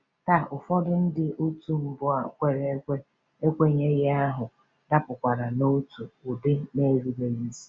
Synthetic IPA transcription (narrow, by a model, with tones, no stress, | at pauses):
ta˦˨ʊ˨fɔ˦dʊ˦n̩˦dɪ˦ʔo˦tu˨m̩˨bʊ˨a˨kʷe˨ɾe˦kʷe˦ | e˦kʷe˦ɲe˦ɣɪ˦a˦ɦʊ˨ | da˦pʊ˨kʷa˨ɾa˨no˦tu˨ʊ˨bɪ˦ne˦ɾi˦be˨i˦n̩˦zi̥˦